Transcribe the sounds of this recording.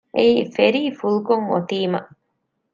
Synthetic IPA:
ʔeiːfeɾiːfulukoŋo̰t̪iːmɐ̰

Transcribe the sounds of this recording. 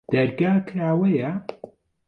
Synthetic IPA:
d̪̥ɐɾɡaːkʰɾaːwɐjɐ

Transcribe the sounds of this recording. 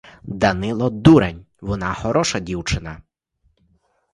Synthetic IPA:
d̪ɐnɪlˠɔd̪uɾɐnʲ | ʋɔnɑxɔɾɔʃɐdʲiwt͡ʃɪnɐ

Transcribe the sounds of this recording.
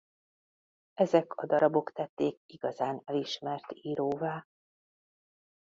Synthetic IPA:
ɛzɛkʰɒ̰d̪ɒɾɒbo̞kt̪ɛt̪ːeːk̚iɡɒzaːnɛliʃmɛrt̪iːɾoːvaː

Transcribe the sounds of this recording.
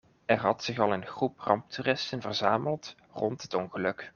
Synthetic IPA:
ɛrɦɑtsɪχɑlˠɪnχruprɑmp̚tʰyrɪstənvərzaːməlˠt | rɔntɦətɔnχəlɵk

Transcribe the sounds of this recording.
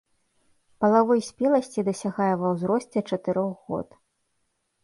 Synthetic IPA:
pɐlˠavɔjsʲpʲɛlˠɐsʲt͡sʲid̪ɐsʲaɣajɛvɐwzɾɔsʲt͡sʲɛt͡ʂɐt̪ɨɾɔɣɣɔ̰t̪

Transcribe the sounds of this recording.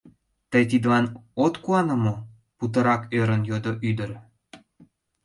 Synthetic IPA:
t̪əjt̪̬id̪lɑnot̪kuɑnə̆mo | put̪̬ɤ̆ɾɑkøɾə̆njod̪oʔyd̪ə̆ɾ

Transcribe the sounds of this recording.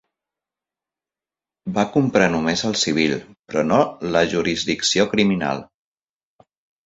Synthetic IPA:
bakumpɾanumezəlˠsiβ̞ilpɾɔnoləʒuɾizðiksiokɾimina̰lˠ

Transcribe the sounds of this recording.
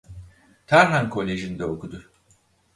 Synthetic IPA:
t̪ʰaɾɦankʰo̞lʲe̞ʒind̪ɛokʰud̪ʊ

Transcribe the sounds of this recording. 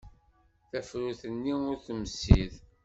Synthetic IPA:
θæfɾuθənːiʊɾθəmsḭð

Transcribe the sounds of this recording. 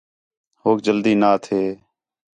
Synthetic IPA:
hoːk̚d͡ʒəld̪iːnaːt̪ʰeː

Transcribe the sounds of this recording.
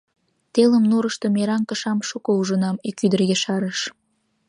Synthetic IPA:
t̪eləmnuɾəʃt̪omeɾɑŋkəʃɑmʃukouʒənɑmikyd̪ərɣeʃɑɾəʃ

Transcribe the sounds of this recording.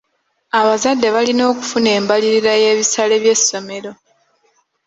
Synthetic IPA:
aβazadːe̞βalino̞ːku̥fune̞ːmbaliɾiɾaje̞βisale̞βje̞sːo̞me̞ɾo̞

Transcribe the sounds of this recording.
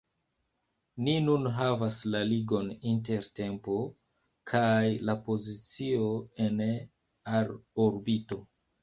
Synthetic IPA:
ninunɦavaslaliɡo̞ninte̞ɾte̞mpo̞ | kʰajlapo̞zit͡sio̞e̞n | aɾoɾbito̞

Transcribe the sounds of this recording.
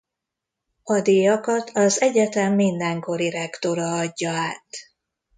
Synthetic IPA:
ɒd̪iːjɒkɒt̪ʰɒzɛɟɛt̪ɛmːind̪ɛŋko̞ɾiɾɛkt̪o̞ɾɒɒɟːɒaːt̪

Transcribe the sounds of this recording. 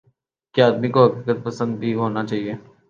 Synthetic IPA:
kjaːd̪mikoɦɐkiːkət̪̚pɐsə̃nd̪̚bʱiɦoːnat͡ʃaːɦieː

